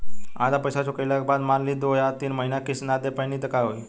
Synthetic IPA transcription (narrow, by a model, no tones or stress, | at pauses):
a̰d͡zapəjsat͡ɕokajljakbad̪maɾliːd̪ojat̪iːnməɦinakisnad̪epəjniːt̪əkaɦoj